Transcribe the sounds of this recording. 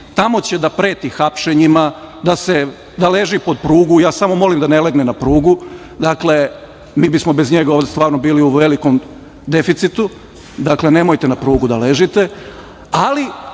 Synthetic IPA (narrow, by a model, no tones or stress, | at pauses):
t̪amo̞t͡ɕe̞d̪apɾeːt̪ixapʃeɲimad̪ase̞ | d̪ale̞ʒipo̞d̪̚pɾuːɡujaːsamo̞mo̞limd̪aneleɡnenapɾuːɡu | d̪akle̞ | miːbismo̞be̞zɲe̞ɡaoːʋd̪est̪ʋaːɾnobiːliuʋe̞liko̞m | d̪e̞fit̪sit̪u | d̪akle̞ne̞mo̞jt̪e̞napɾuːɡud̪ale̞ʒit̪e̞ | ali